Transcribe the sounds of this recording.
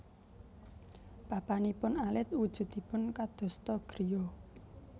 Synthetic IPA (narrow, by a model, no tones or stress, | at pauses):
b̥apanipʊnalɪt̪̚ud̥ʒ̥ʊ̤t̪d̪̥i̤pʊnkad̪̥ɔ̤st̪ɔɡ̥ɾiɔ